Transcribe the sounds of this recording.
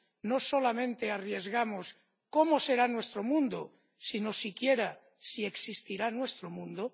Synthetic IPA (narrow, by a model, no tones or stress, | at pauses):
nosolamẽnt̪earje̞zɣamos | komose̞ɾanwe̞st̪ɾomũnd̪o | sino̞sikjeɾa | sieksist̪iɾanwe̞st̪ɾomũnd̪o